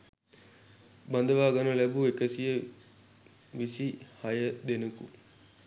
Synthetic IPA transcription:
bɐnd̪əʋaːɡanɐlæbuekəsijə | ʋisihajəd̪enukṵ

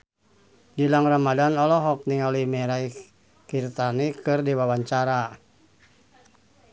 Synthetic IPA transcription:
d͡ʒilaŋramadanɔlɔɦɔk̚niŋalimɛɾai | kirt̪anikɨrdiwawaɲt͡ʃaɾa

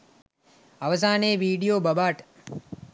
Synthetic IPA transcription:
ɐʋzaːneːʋiːɖijoːbəbaːʈ

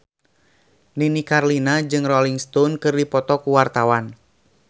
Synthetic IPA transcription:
ninikarlinad͡ʒɨŋrɔliŋst̪ɔnkɨrdipɔt̪ɔkuwart̪awan

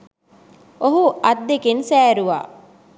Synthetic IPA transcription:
oɦuʔɐt̪ːekensæːɾuʋa̰ː

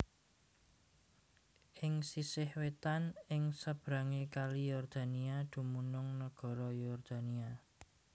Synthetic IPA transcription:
ʔɪŋsisɪhwet̪anɪŋsəb̥ɾaŋekalijɔrd̪̥a̤niad̪̥ṳmunʊŋnəɡ̥ɔ̤ɾɔjɔrd̪̥a̤nia

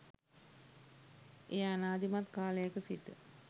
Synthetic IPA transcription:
eanaːd̪imat̪kaːlejakəsiʈə̰

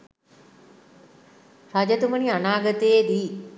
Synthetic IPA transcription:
rad͡ʒət̪umənianaːɡət̪əjed̪iː

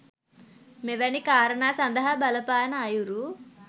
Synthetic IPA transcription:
meʋɐnikaːɾɐɳaːsɐnd̪ɐɦɐbɐlɐpaːnaːjuɾu

